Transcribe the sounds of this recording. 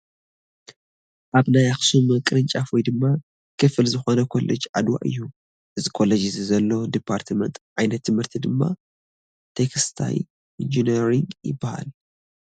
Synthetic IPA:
ʔaβnajaxsumɨkʼɨɾɨnt͡ʃʼafojd̪ɨmːa | kʰɨfɨlzɨxo̞nɐkʰo̞lʔed͡ʒʕa̰d̪wa̰ʔɨ̰jːu | ʔɨzikʰo̞led͡ʒizzɐlːo̞d̪ipʰːaɾt̪ʰmɐnt̪ʕajnɐt̪ʰːɨmhɨɾt̪ʰid̪ɨmːa̰ | t̪ʰekʰst̪ʰa̰j | ind͡ʒineɾiŋɡjɪbːaha̰l

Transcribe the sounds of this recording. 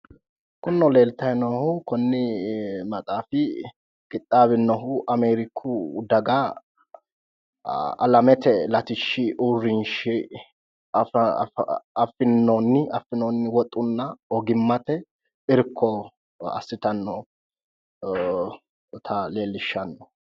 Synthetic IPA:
kʊnːɔle̞ːlt̪ɐnɔhʊkɔnːɪmɐt̪ʼaːfɪ | kʼɪt̪ʼːaːβɪnːɔɦʊʔɐmeːɾɪkʰːʊd̪ɐɡa | ɐ̰lɐmɛt̪ɛlɐt̪ɪʃːɪʔurːɪnʃɪ | ɐfɪnːonːɪɐfːɪnoːnːɪwɔt̪ʼːʊnːɐɔɡɪmːɐt̪ɛ | ɪɾkʰːɔ | ɐ̰sːɪt̪ɐnːɔ | t̪ʰɐleːlːɪʃːɐnːɔ

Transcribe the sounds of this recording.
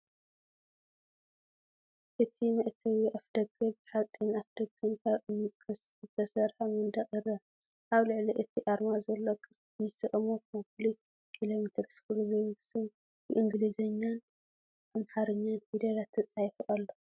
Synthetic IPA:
ʔɨt̪ʰimɐʔt̪ʰɐwiʔafd̪̥ɐɡɐbħat͡sʼːinafd̪̥ɐɡɨnkʰaβɨmːɨt͡sʼkʰɐs | ɨt̪ʰɐsɐɾħamɨnd̪ɐχʼiɾɐ | ʔaβlɨʕliʔɨt̪ʰiʔaɾmazɐlːokʰɨs | jɪsɨʔʼmokmɐpʰolit̪ʰ | ilomit̪ʰɐksfulozɐβɐɡsɨn | bɨʔɨŋɡlizɐɲːanʰ | amħaɾɨɲːanfid̪ɐɾat̪ʰːɐt͡sʼajfɨʔalːo

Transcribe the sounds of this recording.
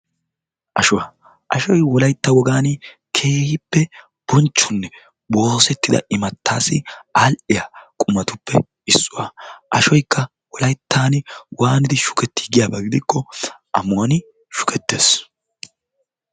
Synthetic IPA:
ʔɐʃʊwa | ʔɐʃɔjwɔlɐjt̪ːɐwɔɡaːnɪ | kʰe̞ːhɪpːɛ | b̥ɔnt͡ʃːʊnːɛ | bo̞ːsɛt̪ːɪd̪ɐ̰ɪmɐt̪ːaːsɪaːlʔɪjakʼʊmɐt̪ʊpːɛ̰ | ɪsːʊwaːʔɐʃɔjkːɐ | wɔlɐjt̪ʰːaːnɪwʔaːnɪd̪ɪʃʊ̥kɛt̪ːɪ̥ɡɪjaːbɐɡɪd̪ɪkːɔʔɐmʊwɐnɪ | ʃʊ̥kʰɛt̪ːe̞ːs

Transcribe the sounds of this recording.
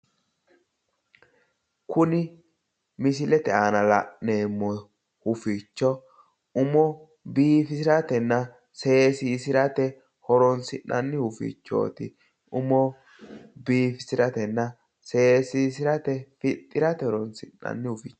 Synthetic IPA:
kʰʊnɪ | mɪs̬ɪlɛt̪ɛaːnɐlɐ̰ʔneːmːɔ | hʊfit͡ʃːɔ | ʊmɔ | biːfɪsɪɾɐt̪ɛnːɐ | se̞ːsisɪɾɐt̪ɛ | hɔɾɔnsɪnːɐnːɪhʊfḭt͡ʃːo̰ːt̪ɪ | ʊmɔ | biːfɪ̥sɪɾɐt̪ɛnːɐ | se̞ːsis̬ɪɾɐt̪ɛfɪt̪ʼːɪɾɐt̪ɛhɔɾɔnsɪnːɐ̰nːɪhʊfit͡ʃː

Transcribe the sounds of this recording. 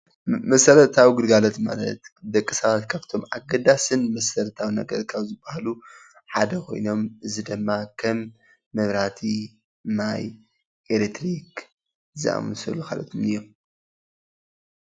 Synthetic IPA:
mɐsɐɾɐt̪ʰawiɡɨlɡalot̪ma̰lɐ̰t̪d̪ɐkʼːɨsɐβat̪kʰaβt̪ʰo̞mʕa̰ɡɐd̪asɨnmɐsɐɾɐt̪ʰawinɐɡɐɾkʰawzɨbːahalu | ħad̪ɐkʰo̞̰jno̞mɨzid̪ɨmːakʰɐmː | ɐβɾat̪ʰi | naj | ʔelet̪ʰɾik | zɨ̰ʔa̰mɨsɐ̰lukʰa̰lɐt̪ʰumɨjːo

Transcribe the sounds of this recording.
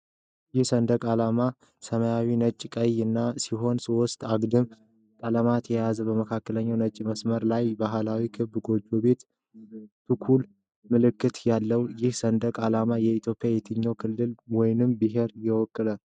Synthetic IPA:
jɪhsənd̪əkʼalama | səməjawinət͡ʃʼːkʼəjɨnːasiɦo̞nsiwɔst̪ʼaɡd̪ɨm | t̪ʼələmat̪ʰjɛjazəbəməkʰakːələɲːawnət͡ʃʼːməsməɾlajbaɦɨlawikʰɨbɡo̞d͡ʒobe̞t̪ | t̪ʰɨkʰul | mɨlɨkːɨt̪jalːəwjɪhsənd̪əkʼalamajɛit̪ʰjo̞pʼjajɛt̪ʰɨɲːowkʰɨlːɨlwɔjnɨmbɨɦe̞ɾjɛwɔkʼːɨlə

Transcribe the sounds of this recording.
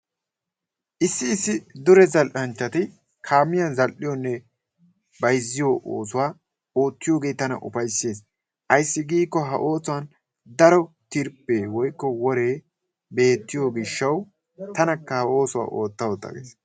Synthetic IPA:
ʔɪsːɪːsːɪd̪ʊɾɛzɐlʔɐnt͡ʃːɐt̪ɪ | kʰaːmːɪjɐzɐlʔɪjonːɛ | bɐjzːɪjoʔo̰ːsʊwaː | oːt̪ːɪjo̞ːɡe̞ːt̪ɐnɐ̰ʔʊ̰fɐjsːe̞ːs | ʔɐjsːɪɡiːkːɔɦɐ̰ʔo̞ːsʊwɐn | d̪ɐɾɔ | t̪ɪɾpːe̞ːwɔjkːɔwɔɾeː | be̞ːt̪ːɪjoɡɪʃːɐw | t̪ɐnɐkːɐhɐo̞ːsʊwa̰ːʔo̞ːt̪ːɐwɔt̪ːɐ̰ɡḛːs

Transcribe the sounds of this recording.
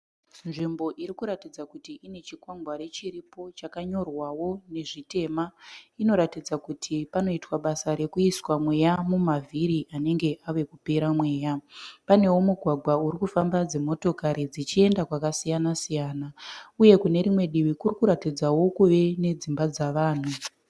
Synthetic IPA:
nʐimbo̞ʔiɾikuɾatid͡zakutiʔine̞t͡ʃikwaŋɡwaɾe̞t͡ʃiɾipo̞t͡ʃakaɲo̞rwawo̞ne̞ʐite̞ːmaino̞ɾatid͡zakutʰipano̞itwaɓasaɾe̞kuiswamwe̞jamumavʱiɾiʔane̞ŋɡe̞ʔaʋe̞kupeɾamwe̞ːjapane̞womuɡʱwaɡʱwauɾikufambad͡ze̞mo̞to̞kaɾid͡zit͡ʃie̞ndakwakasijanasijaːnauje̞kune̞ɾimwe̞ɗiʋikurikuɾatid͡zawo̞kuʋe̞ne̞d͡zimbad͡zaʋaːn̤u

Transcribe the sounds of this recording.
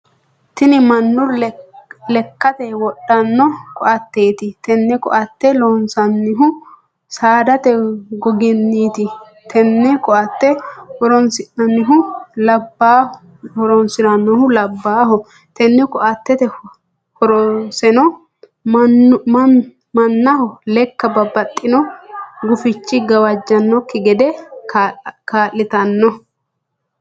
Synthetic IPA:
t̪ɪnɪmɐnːʊɾ | lɛkːɐt̪ɛwɔɗːɐnːɔkɔʔɐt̪ːeːt̪ɪt̪ɛnːɛkɔ̰ʔɐt̪ːɛlonsɐnːɪɦʊ | saːd̪ɐt̪ɛɡɔɡɛnːiːt̪ɪ | t̪ʰɛnːɛkɔʔɐt̪ːɛhɔɾɔnsɪnɐnːɪɦʊlɐbːa | hɔɾɔnsɪɾɐnːɔhʊlɐbːaːɦɔ | t̪ɛnːɪkʼɔʔɐt̪ːɛt̪ɛ | hɔɾɔsɛnɔ | mɐnːɐhɔlɛkːɐbɐbːɐt̪ʼːɪnɔɡʊfɪt͡ʃːɪɡɐwɐd͡ʒːɐnːɔkːɪɡɛd̪ɛ | kaːlːɪt̪ɐnːɔ

